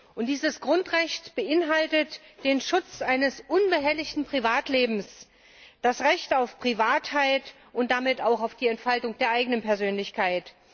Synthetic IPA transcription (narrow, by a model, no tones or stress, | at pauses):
ʔʊntd̥iːzəsɡ̥ʁʊntʁɛçtb̥əʔɪnɦaltətd̥eːnʃʊt͡sʔaɪnəsʔʊnbəɦɛlɪçtn̩pʁ̥ivaːtleːbm̩s | d̥asʁɛçtaʊfpʁ̥ivaːthaɪt | ʊnt̚d̥amɪtaʊxaʊfd̥iːɛntfaltʊŋd̥eːɐʔaɪɡənənpɛɐzøːnlɪçkʰaɪt